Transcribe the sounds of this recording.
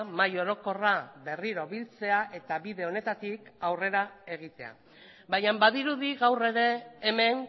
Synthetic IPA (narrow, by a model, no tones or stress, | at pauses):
majo̞ɾo̞ko̞raβe̞riɾo̞βilt͡se̞aʔe̞t̪aβiðe̞o̞ne̞t̪at̪ikawre̞ɾae̞ɣ̞it̪e̞a̰ | bajambaðiɾuðiɣawre̞ɾe̞ːme̞n